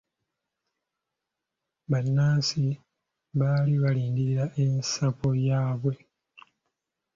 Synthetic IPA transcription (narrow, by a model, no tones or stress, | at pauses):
βanːaːsi | βaːliβaliːndiɾaʔe̞nsapo̞jaːβwe̞